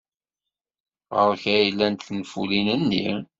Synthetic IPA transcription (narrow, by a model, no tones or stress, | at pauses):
ʁəɾçæjlːænt̪θnfṵlinənːḭɾ